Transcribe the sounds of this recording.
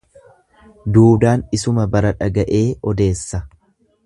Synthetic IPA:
d̪uːd̪aːnɪsʊmɐbɐɾɐᶑɐɡɐʔe̞ːʔɔd̪e̞ːsːɐ

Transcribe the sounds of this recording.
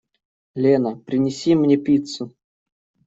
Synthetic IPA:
lʲenəpɾʲɪnʲɪsʲimnʲepʲit̪su

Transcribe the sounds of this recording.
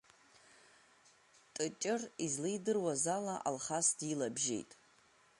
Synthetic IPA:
tʼɨt͡ʃʼɪrizlijdɨrwazalaʔa̰lχasdilabʒḛjtʼ

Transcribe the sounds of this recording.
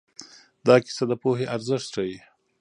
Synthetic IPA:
d̪ɑkɪ̥sad̪əpoɦeʔaɾzɪʂt̪ʈ͡ʂawi

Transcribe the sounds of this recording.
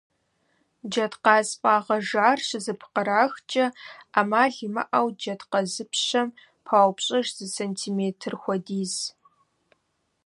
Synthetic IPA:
d͡ʒɐtqɑːspʼaːʁɐʒaːrɕɨzɨpʰqəɾaːxt͡ʃʼɐaːmaːɮmɐ̰ʔɐwd͡ʒɐdqɐzɨpʰɕɐm | pʰaːwpɕʼɐʒz̥ɨsentʰiːmeːtʰɨrxʷɔdiːz

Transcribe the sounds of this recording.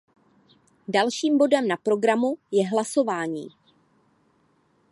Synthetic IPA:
dalʃiːmbo̞dɛmnapɾo̞ɡɾamujɛɦlaso̞vaːɲḭː

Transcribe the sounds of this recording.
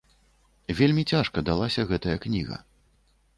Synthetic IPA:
vʲelʲmʲit͡sʲaʂkɐd̪alˠasʲɐɣɛt̪ɐjɐknʲiɣɐ̰

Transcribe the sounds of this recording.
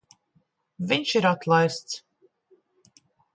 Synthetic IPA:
vʲiɲʃiɾat̪lˠajst̪s

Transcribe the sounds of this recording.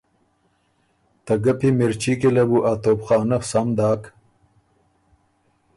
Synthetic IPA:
t̪ɐɡɐpimeɾt͡ɕikilɐbuʔat̪oːpχɑːnɐfsamd̪aːk

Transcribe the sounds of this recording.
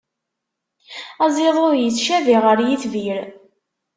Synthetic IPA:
æzˤeðˤʊɾjət͡sːʃæviʁəɾjiθviɾ

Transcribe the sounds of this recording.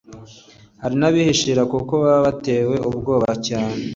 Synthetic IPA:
haɾinaβihiʃiɾakukoβaββate̞ːwe̞ʔubɡo̞ːβacaːne

